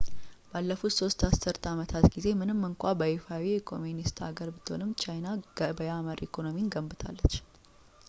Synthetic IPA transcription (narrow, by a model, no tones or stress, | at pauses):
b̥alːəfut̪so̞st̪asɨɾt̪amət̪ʰat̪ɡize̞mɨnɨmːɨŋkʷabəefawiɛkʰo̞munist̪a̰ɡəɾbɨt̪ʰːɨhonɨmːt͡ʃʰajnaɡəbəjaməɾʔikʰo̞no̞minɡəmbɨt̪ʰa̰lːət͡ʃː